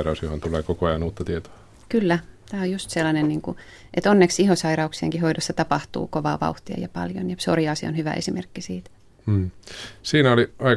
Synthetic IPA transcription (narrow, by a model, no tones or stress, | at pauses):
ɾɑusjohont̪uleːkokoɑjɑnuːt̪ːɑt̪iet̪o̥ɑ | kylːæt̪æːojust̪selːɑnenniːŋku | ʔet̪onːeksihosɑiɾɑuksiḛŋkihoidosːɑt̪ɑpɑht̪ṵːkoʋɑ̰ːʋɑ̰uht̪iɑ̰jɑpɑ̰ljo̰njɑso̰riɑsio̰nhyʋæ̰ʔesimḛrkːisiːt̪ | m̩ːsiːnæoliɑi